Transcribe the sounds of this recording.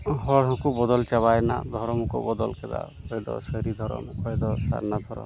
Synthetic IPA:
ɦɔɽɦɔ̃kubɔd̪ɔlt͡ʃabajna̰d̪ʱɔɾɔmukɔ̰bɔd̪ɔlkɛd̪a̰kɔjd̪ɔ̰sɔɾid̪ʱɔɾɔ̰mkɔjd̪ɔsa̰ɾnad̪ʱɔɾɔ̰m

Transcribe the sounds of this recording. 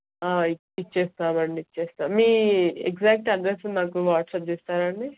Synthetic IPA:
aːi | it͡ʃːeːst̪aːmɐɳɖit͡ʃːeːst̪amiːekzaːk̚ʈɐɖɾesunaːk̬uʋaːʈsɐp̚d͡ʒeːst̪aːɾɐɳɖi

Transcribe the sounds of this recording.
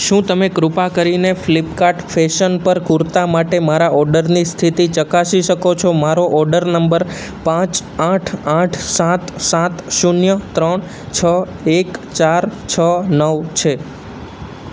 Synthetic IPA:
ʃũt̪əmekɾupakəɾineflipkaʈfeʃənpəɾkuɾt̪amaʈemaɾaɔɾɖəɾnist̪ʰit̪it͡ʃəkaʃiʃəkot͡ʃʰomaɾoʔɔɾɖəɾnəmbəɾ | pãt͡ʃãʈʰãʈʰsat̪sat̪ʃunjət̪ɾəɳ | t͡ʃʰə | ekt͡ʃaɾt͡ʃʰənəʋt͡ʃʰe

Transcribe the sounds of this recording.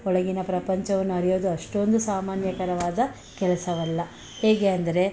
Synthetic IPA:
ɔɭɐɡinɐpɾɐpɐɲt͡ʃɐʋɐnːuɐɾijo̞ːd̪uɐʂʈo̞nd̪usaːmaːnjɐkɐɾɐʋaːd̪ɐ | kɛlɐsɐʋɐlːɐ | heːɡeɐnd̪ɐɾe̞

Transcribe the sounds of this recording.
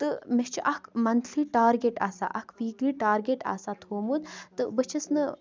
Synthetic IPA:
t̪ɨmest͡ʃʰiʔɐkʰmɐnt̪ʰliːʈaːɾɡeʈa̰ːsa̰ːʔɐkʰʋiːɡliːʈaːɾɡʲeʈa̰ːsaːt̪ʰoːmud̪t̪ɨbɨt͡ʃʰisnɨ

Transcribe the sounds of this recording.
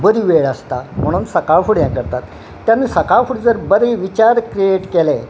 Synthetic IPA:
bəɾiʋeɭəst̪am̤əɽ̃uːnsəkafuɽjãkəɾt̪at̪ː | janːiːsəkafuɽd͡zəɾbəɾeʋit͡ɕaɾkɾieʈkele

